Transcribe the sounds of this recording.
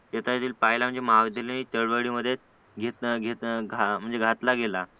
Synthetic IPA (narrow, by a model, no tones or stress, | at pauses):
jet̪ʰajet̪iːlpajlam̤əɳd͡zemaɡd̪ʱileniːt͡ɕ̪əɭʋəɽiːməd̪ʱːje | ɡʱet̪ɡʱet̪ɡʱam̤əɳd͡zeɡʱat̪laɡela